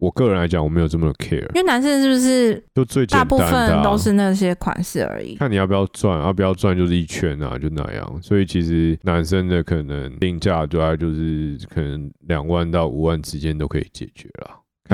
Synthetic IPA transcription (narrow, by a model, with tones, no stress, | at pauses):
wɔ˨˩kɤ˥˨ɻə˧˦nla˧ɪt͡ɕɑ˨˩˦wɔ˨˩me˧˥jo˨˩t͡sə˥˩mə˨˩o˨˩kʰɛ̰˥ə̰˨˦i˥wna˧˥ns̬ə˥nʂɻ̩˥˩bu˩ʂɻ̩˥˩t͡ɕjo˥˧ʊt͡swe˥˩ɪt͡ɕ̪ɛ˨˥˧npu˥t̪a˦˩ən˨t̪o˥ʊʂɻ̩˥˧na˥˩ɕ̬jɛ˥kʰwa̰˨˩nʂɻ̩˥˩ə̰˞˧˥ḭ˨˦kʰa˥˩ni˨jp̬jɑ˥˧ʊt͡swa˥˨na˥˩pu˨˩jɑ˥˧ʊt͡swa˥˧nt͡ɕjo˥˧ʊʂ̬ɻ̩˥˩i˥˩t͡ɕʰɥɛ˧˥na̰˨t͡ɕjo˥˧ʊʂ̩˥na̰˨˩jɑ̰˥˧˩ŋswɔ˧˥i˨˩t͡ɕʰi˧˥ʂɻ̩˧˥na˧˥nsə˦nd̪ə˨kʰɤ˨˩nə˧˦˥ŋi˥˧ŋt͡ɕja˥˧t̪u˧a˥˩t͡ɕjo˥˧ʊʂɻ̩˥˩kʰɤ˨˩nə˧˦ŋljɑ˨˩ŋwa˥˧nt̪ɑ˥˩ʊʔṵ˨˩wa˥˩nʂɻ̩˧˥t͡ɕjɛ˦nt̪o˥ʊkʰɤ̰˧i˨˩t͡ɕjɛ̰˨˩t͡ɕɥɛ˧˦lə̰˨ | kʰ